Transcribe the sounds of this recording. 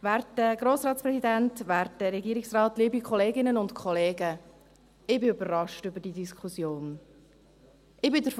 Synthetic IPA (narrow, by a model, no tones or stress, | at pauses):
væːɾtdəɡ̥ɾoːsɾɑːtspɾɛsidɛntvæːɾtdəɾɛɡiːɾɪksrɑːtliːbikχɔleːɡɪnənʊntkʰχɔleːɡə | ɪbɪʏbərɑʃtʏbəɾd̥iːdiskχusjoːn | ʔɪbɪdəɾf